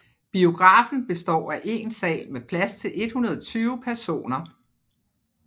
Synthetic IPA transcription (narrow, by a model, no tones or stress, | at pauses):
b̥io̝ɡ̥ʁɑ̈ːfn̩b̥e̝sd̥ɒ̰ːæʔe̝nsɛ̰ːlmepʰlæst͡sʰe̝lʔe̝d̥hunɐð̞ˠɒt͡sʰyːʊpʰæɐso̝̰ːnɐ